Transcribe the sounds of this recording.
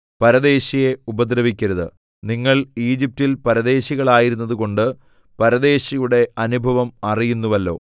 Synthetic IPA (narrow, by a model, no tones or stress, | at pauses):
pɐɾɐðe̞ːɕije̞ubɐd̪rɐʋikʲːɐɾɐðɨ̰ | niŋːɐɭiːd͡ʑip̚tilpɐɾɐðe̞ːɕiɣɐɭaːjiɾunːɐðuko̞ɳɖɨ | pɐɾɐðe̞ːɕɐjuɽe̞ɐnubʱɐʋɐmɐrijunːuʋɐlːo̞̰ː